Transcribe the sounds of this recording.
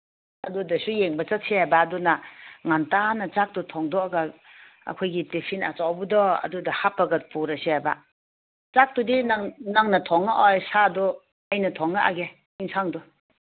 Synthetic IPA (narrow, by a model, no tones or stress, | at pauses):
ɐdudɐsujeŋbɐt͡ʃat̚sʰeabaːdunaŋantanɐt͡ʃak̚tutʰɔŋdɔaɡa | a̰kʰɔjɡitepʰina̰t͡ʃawbudɔɐ̰dudahapːɐɡɐt̚puɾɐseaba̰ | t͡ʃak̚tudinanaŋnɐtʰɔŋːaʔɔjsadɔ | ajnɐtʰɔŋːaʔaɡe | iŋsaŋdɔ